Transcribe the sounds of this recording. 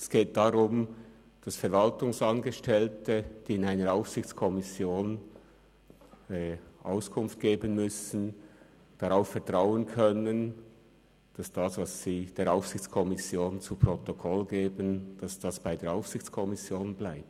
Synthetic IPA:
ɛsɡ̥eːt̚d̥aʁʊm | d̥ɑsfɛɐɾvɑltʊŋsɑnɡəʃtɛltəd̥iːɪnaɪnəɾaʊfsɪçt͡skʰɔmɪsjoːn | ɛʔaʊskʰʊnft̚ɡ̥eːbənmʏsn̩ | d̥ɑʁaʊffɛɐtʁ̥aʊənkʰœnən | d̥ɑsd̥ɑsvɑssiːd̥eːɐaʊfsɪçt͡skʰɔmɪsjoːnt͡supʁ̥ɔtokʰɔlɡeːbənd̥ɑsd̥ɑsb̥aɪdeːɾaʊfsɪçt͡skʰɔmɪsjoːnblaɪp̚t

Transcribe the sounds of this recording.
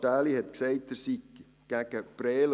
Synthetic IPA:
taːlihɛt̪kseɪt̚d̥̪əsi | ɡ̥æɡ̥əprɛːl

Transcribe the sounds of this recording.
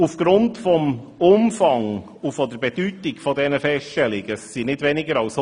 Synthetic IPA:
ufɡ̥ɾʊntfɔm | ʊmfɑŋ | ufɔd̪əɾbɛd̥ytɪɡfɔdɛnəfɛstʃtɛlɪɡəsinɪdʋɛnɪɡəɾɑʊs

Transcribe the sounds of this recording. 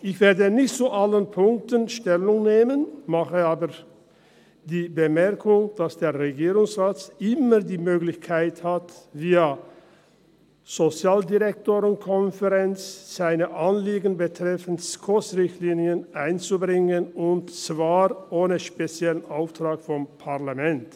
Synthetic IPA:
ɪçv̥eːɐdənɪçtt͡suʔalənpʰʊŋk̚tənʃtɛlʊŋneːmənmaχəaːbəʁ | d̥iːbəmɛʁkʰʊŋd̥asd̥eːɐʁeɡiːʁʊŋsʁaːt͡sʔɪməʁdiːmøːɡlɪçkʰaɪthatviːɐ | z̥ot͡sjaːldiʁɛk̚toːʁənkʰɔnfəʁɛnt͡sz̥aɪnəʔanliːɡən̩bətʁ̥ɛfn̩skʰɔsʁɪçtliːniənʔaɪnt͡subʁɪŋənʊntt͡sv̥aːʁʔoːnəʃpet͡sjɛlənʔaʊftʁ̥aːkfɔmpʰaʁlamɛnt

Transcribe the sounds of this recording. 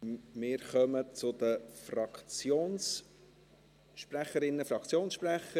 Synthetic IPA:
mɪːɾχœmət͡sʊd̪əfrɑkt͡sjoːns | ʃpræχəɾɪnːəfɾɑkχt͡sjoːnsʃpræχə

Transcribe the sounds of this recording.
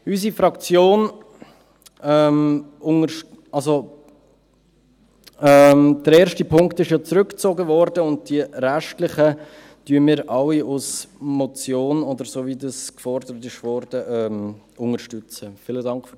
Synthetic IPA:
ysifɾɑkt͡sjoːn | ɛmʊŋə | ʔɑlso | ɛmd̥əɾɛːɾʃtipʰʊŋktɪʃjɑt͡sɾʏkt͡soɡəvɔɾd̥əʊnt̚d̥iəɾæʃtlɪχə | tyəmɪːɾʔɑwiʔʊsmɔt͡sjoːnodəɾsovidɑskfɔɾdəɾət̬ɪʃvɔɾd̥əʔɛːm | ʊŋəɾʃtʏt͡səfɪlədɑŋkχf

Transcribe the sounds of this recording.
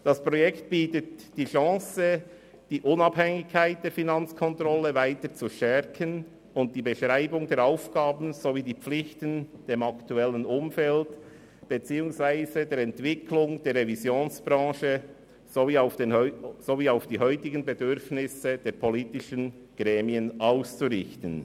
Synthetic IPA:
d̥ɑspɾɔjɛkt̚b̥iːtətd̥iːʃɑ̃ːsə | d̥iːʔʊnɑphɛŋɪçkʰːaɪt̚d̥eːɐfinɑnt͡skʰɔntʁɔləvaɪtət͡suʃtɛɾkʰən | ʊnt̚d̥iːbəʃʁaɪbʊŋdeːɐɾaʊfɡ̥aːbn̩zoviːdiːp͡flɪçtənd̥eːmɑktuɛlənʊmfɛlt | b̥et͡siːʊŋsvaɪzədeːɾɛntv̥ɪkʰlʊŋd̥eːɾʁevizjoːnsb̥ɾɑ̃ːʃə | zoviːaʊfnz̥oviːaʊfd̥iːɦœʏtɪɡənbedʏɾfnɪsəd̥eːɾpʰɔliːtɪʃən | ɡ̥ʁɛːmiənʔaʊst͡suɾɪçtən

